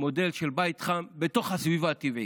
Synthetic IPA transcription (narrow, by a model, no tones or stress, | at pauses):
mo̞d̪e̞lʃelbajt̪χambet̪o̞χhasvivaːt̪ivi